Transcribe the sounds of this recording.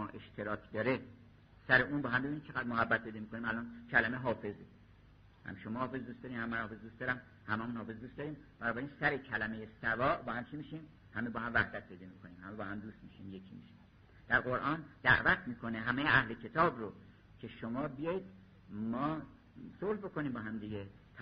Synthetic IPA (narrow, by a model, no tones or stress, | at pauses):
ɒːʔe̞ʃt̪ʰe̞ɾɒːcʰd̪ɒːɾe | sæɾeʔuːnbɒːhæmbebinimt͡ʃʰe̞ɡæd̪moɦæbːæt̪̚pʰe̞jd̪ɒmiːkʰo̞nimælɒːnkʰælæmeɦɒːfe̞ze | hæ̰mʃomɒːhɒːfezd̪uːst̪ɒːɾiːmhæmːænhɒːfezd̪ust̪d̪ɒːɾæm | hæmæmunhɒːfe̞zd̪uːst̪d̪ɒːɾiːmb̥ænɒːbæɾiːnsæɾecʰælæme̞jesævɒːʔbɒːhæmt͡ʃʰimiːʃiːm | hæmebɒːhæmvæhd̪æt̪̚pʰe̞jd̪iːmikʰoniːmhæmebɒːhæmd̪uːst̪miʃiːmjekʰimiʃim | d̪̥æɾɣoɾʔɒːnd̪̥æ̰ʔvæt̪ʰmiːkʰone̞ɦæmejeʔæhle̞kʰe̞t̪ʰɒːbɾo | cʰe̞ʃomɒːbijɒːjid̪ | mɒː | solhbo̞koniːmbɒːɦæmd̪iɟe | t̪ʰ